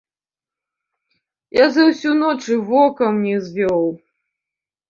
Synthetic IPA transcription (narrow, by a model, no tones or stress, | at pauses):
jazɐwsʲunɔt͡ʂɨvɔkɐmnʲɛzʲvʲɔw